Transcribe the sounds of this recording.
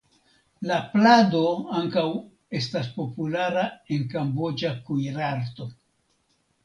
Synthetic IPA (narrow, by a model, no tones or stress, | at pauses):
laplado̞aŋkaw | e̞staspo̞pulaɾae̞nkambo̞d͡ʒakujɾaɾt̪o̞